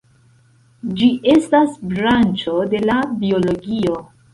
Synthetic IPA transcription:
d͡ʒiʔe̞stasbɾant͡ʃo̞de̞labio̞lo̞ɡio̞

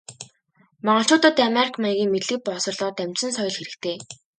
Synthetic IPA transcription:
mɔɴɢɞ̆ɬt͡ɕʊːt̪ə̆t̪ameɾikʰmajɣʲiːŋmet̪ɮɘ̆k̚pɔːsɞ̆rɮɔːt̪æm̥ʲt͡ɕsɘ̆nsœjɞ̆ɮxeɾɘ̆k̚t̪ʰeː

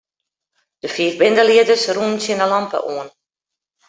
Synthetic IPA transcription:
d̥əfiːrbɪndəliədəsruəmsiənəlɑmpə̰ʔuən

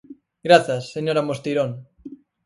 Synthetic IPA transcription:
ɡɾaθasːeɲoɾamost̪iɾon

